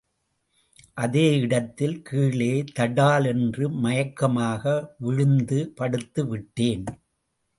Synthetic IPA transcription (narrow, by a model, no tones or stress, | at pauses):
ʔɐðeːɪɽɐt̪ːɪlkiːɭeːt̪ɐɽaːlɛndrɯmɐjɐkːɐmaːɣɐʋɪɻɯnd̪ɯpɐɽɯt̪ːɯʋɪʈːeːn